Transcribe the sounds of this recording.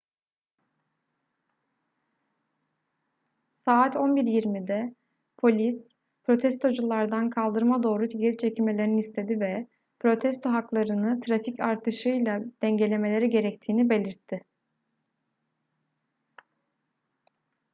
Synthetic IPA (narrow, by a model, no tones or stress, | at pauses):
saːt̪ʰo̞nbiɾjiɾmid̪ɛ | pʰo̞lʲis | pɾo̞t̪ʰɛst̪ʰo̞d͡ʒulˠːaɾd̪ankʰalˠd̪ɯɾmad̪o̞ːɾut̪ʰiɟeɾit͡ʃʰecime̞lʲeɾiniist̪ʰe̞d̪ivɛ | pʰɾo̞t̪ʰɛst̪ʰo̞ɦaklˠaɾɯnɯt̪ʰɾaficʰaɾt̪ʰɯʃɯjlˠad̪̥ɛɲɟe̞lʲe̞me̞lʲe̞ɾiɟe̞ɾɛc̚t̪ʰiːnibe̞lʲiɾt̪ʰːɪ